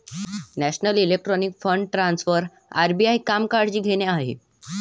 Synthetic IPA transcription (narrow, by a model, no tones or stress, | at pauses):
næɕnəlilek̚ʈɾɔnikfəɳɖʈɾãnsfəɾ | aɾbiajkamkaɽd͡ʑiːɡʱeɽjaaɦḛ